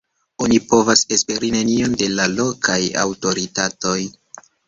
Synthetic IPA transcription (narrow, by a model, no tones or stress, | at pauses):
o̞nipo̞vasespe̞ɾine̞nio̞nde̞lalo̞kʰaja̰wto̞ɾitato̞j